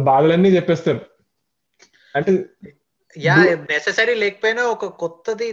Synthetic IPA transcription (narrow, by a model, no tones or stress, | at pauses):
baːɡ̪ɐlɐnːiːt͡ʃɛpːeːst̪ɐm | ɐɳʈe | jaːnesesɐɾileːki̥poːjnaːɔkɐkɔt̪ːɐd̪i